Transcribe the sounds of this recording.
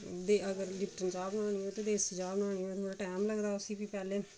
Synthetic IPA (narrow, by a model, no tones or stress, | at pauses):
d̪eəɡəɾlɪpʈənt͡ʃaːbnãːniːõːt̪eːd̪eːsd͡ʒaːbənãːnĩːõːt̪ʰoːɽaːʈɛːmləɡd̪aːʊsiːpiːpɛːleː